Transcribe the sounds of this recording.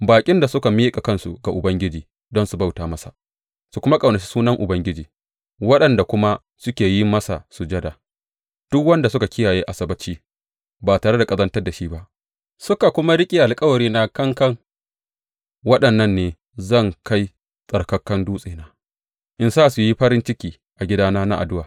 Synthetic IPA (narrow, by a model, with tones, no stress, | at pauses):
baː˨kʲʼɪ˦nda˨sʊ˦ka˨mi˦kʼa˨kɐ˦nsu˨ɡa˨ʔʊ˨bɐ˦ŋɡʲɪ˦d͡ʒiː˨ | dɔ˦nsu˨ba˦wtaː˨mɐ˦sa̰˨ | su˨kʷʊ˦ma˦kʼɐ˨wnɐ˨t͡ʃi̥˦suː˦nɐ˦ŋʔʊ˨bɐ˦ŋɡʲɪ˦d͡ʒiː˨ | wɐ˦ɗɐ˨nda˨kʷʊ˦ma˦ | sʊ˦kʲeː˨ji˦mɐ˦sa˨su˨d͡ʒɐ˦da˨ | d̥ʊ˦kwɐ˦nda˨sʊ˦ka˨kʲɪ˦jaː˨jeː˦ʔa˨sɐ˨bɐ˦t͡ʃiː˦ | baː˨taː˨ɽe˦da˨kʼɐ˦zɐ˦ntɐ˦rda˨ʃi˦ba˦ʔ | sʊ˦ka˨kʷʊ˦ma˦ɽɪ˦kʲʼi˨ʔa˨lkʼɐ˦wɐ˨ɽiː˦na˦kɐ˦ŋkɐ˦ŋ | wɐ˦ɗɐ˨nːɐ˦nːeː˨ | zɐ˦˨ŋka˦j | sʼɐ˨ɽkɐ˦kːɐ˦nduː˦sʼeː˨naː˦ | ʔɪ˦nsaː˦su˨ji˦ɸɐ˦ɾɪ˦nt͡ʃɪ˦kʲiː˨ | ʔa˨ɡʲɪ˦daː˦naː˦na˦ʔa̰˨dʊ˦waː˨